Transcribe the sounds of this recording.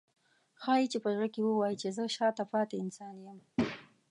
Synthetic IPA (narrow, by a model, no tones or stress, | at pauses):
xɑjit͡ʃepəzɽəkewəwɑjit͡ʃezəʃɑt̪apɑt̪eɪnsɑnjəm